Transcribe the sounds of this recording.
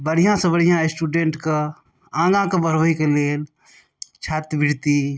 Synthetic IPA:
bəɽ̤ijãsə̃bəɽijãsʈuɖeːɳʈkə | ãːɡãkebəɾʋəikeleːl | t͡ʃʰaːt̪biɾt̪i

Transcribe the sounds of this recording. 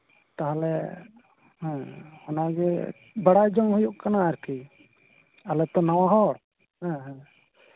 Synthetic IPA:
t̪aɦalɛ | hɛ̃hɔnaɡɛ | baɽajd͡ʒɔŋɦujuʔkanaːɾki | alɛt̪ɔnaw̃aɦɔɽ | hɛ̃ɦɛ̃

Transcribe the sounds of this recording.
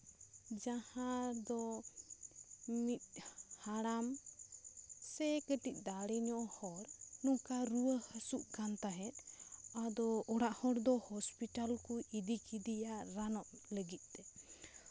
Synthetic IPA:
d͡ʒahad̪ɔ | mit̪̚haɽam | sɛkəʈic̚ˀd̪aɽiɲɔʔhɔɾnukaɾuwəhəsuʔkant̪aɦɛt̪̚ad̪ɔɔɽaʔhɔɽd̪ɔhɔspiʈalkuʔid̪ikid̪ijaʔɾanɔʔləɡit̪̚ˀt̪ɛ

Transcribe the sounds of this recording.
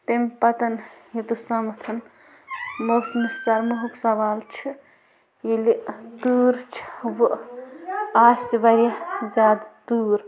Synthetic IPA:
t̪empɐt̪ɐnjit̪ust̪aːmɐt̪ʰɐn | moːsmisɐɾmuɦuksɐʋaːlt͡ʃʰi | elit̪uːɾt͡ʃʰi̥ʋu | aːsiʋɐɾijɐd͡ʒaːd̪t̪uːɾ

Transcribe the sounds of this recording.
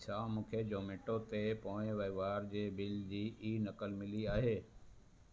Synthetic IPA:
sãmũːkʰed͡ʑoːmeːʈot̪epõːẽʋɐʋaːɾd͡ʑeːbɪld͡ʑiːʔiːnɐkəlmɪliaːɦeː

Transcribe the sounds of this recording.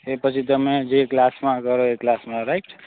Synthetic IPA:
epət͡ʃʰit̪əmed͡ʒeklasmakəɾoeklasmaɾaikʰ

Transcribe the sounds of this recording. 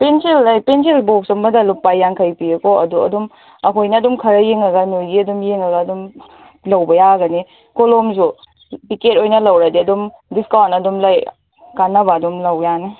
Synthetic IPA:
penselːajpenselbok̚sɐmbɐdɐlupːajːaŋkʰɐjpiɐkoɐduɐ̰dum | ɐkʰojnɐːdumkʰɐɾɐjeŋɐɡɐnojɡiɐdumjeŋɐɡɐːdum | lɐwbɐjaɡɐni | kolomzu | piket̚ojnɐlɐwɾadiɐdum | diskawnɐdumlaj | kanːɐbɐːdumlɐwjani

